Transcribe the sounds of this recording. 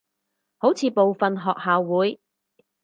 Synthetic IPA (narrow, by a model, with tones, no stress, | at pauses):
ho˨˥wt͡sʰiː˨˧po˨wfɐ˨nɦɔː˨k̚haː˨wːuː˨˥j